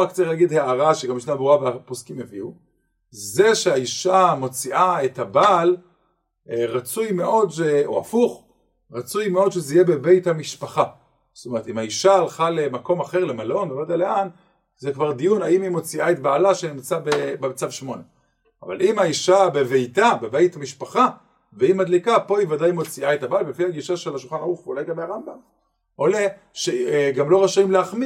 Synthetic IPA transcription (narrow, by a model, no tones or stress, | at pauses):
akt͡siχlaɡidheaʁaʃeɡambiʃnabʁuabposkimeviu | ze̞ʃeaiʃamo̞t͡siʔae̞thabal | ʁat͡sujme̞ʔo̞d̪ʃeo̰a̰fuχ | ʁat͡sujmeo̞d̪ʃezeijebe̞be̞jthamiʃpaχa | st̪ome̞et̪imhaiʃaːlχale̞mako̞maχe̞ʁle̞malo̞nbevad̪alean | zekvaʁd̪ijunaimimo̞t͡siʔaet̚baːlaʃenimt͡sabebemat͡savʃmo̞ne | a̰va̰limaiʃabeve̞jtabebejt̪hamiʃpaχa | veimadlikapo̞ivadajimo̞t͡siaet̪abaajtbefiaɡiʃaʃelaʃulχanaʁuχvolajɡabeaʁambam | o̞le | ʃeɡamlo̞ʁaʃimleaχmi